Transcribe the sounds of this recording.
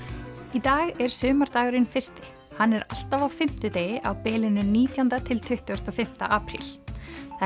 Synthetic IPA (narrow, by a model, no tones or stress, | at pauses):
it̪aːɣɛɾ̥sʏːmaɾ̥t̪aːɣʏɾɪnfɪr̥st̪ɪ | hanːɛɾa̰l̥t̪avawfɪm̥t̪ʏt̪eːjʔa̰wpɛːlɪnʏniːt̪jant̪at̪ʰɪlt̪ʰʏht̪ʏɣast̪ɔfɪm̥t̪a̰ʔaːpɾḭlθ